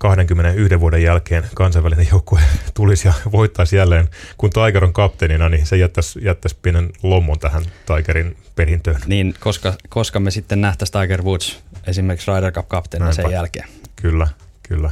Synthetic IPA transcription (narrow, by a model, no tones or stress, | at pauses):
kɑhdeŋkymːenenyhdeʋʋuodejjælkeːnkɑnsɑiʋælinejjoukːoet̪ulisjɑʋoit̪ːɑsjælːeːnkunt̪ɑikeɾoŋkɑpt̪eninɑninsejæt̪ːæsjæt̪ːæspienenlomːont̪æhænt̪ɑikeɾin | perint̪ønniːnkoskɑkoskɑmesit̪ːennæht̪æsʲt̪ɑiɡerʋut̪sesimerksrɑiderkɑpkɑpt̪ensejjælkeːnkylːæ | kylːæ